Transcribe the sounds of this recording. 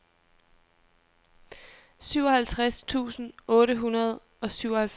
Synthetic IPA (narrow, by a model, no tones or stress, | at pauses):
syʊ̰ɒ̽hælt͡sʰʁast͡sʰṵːsn̩ɔ̽ːɾəɦunɐð̞ˠ | ɒ̽syʊ̰ɒhælf